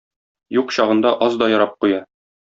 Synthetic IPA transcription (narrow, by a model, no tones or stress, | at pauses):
juqɕɒʁɤ̆nd̪ɑʔɒzd̪ɒjɒɾɑp̚qujɑ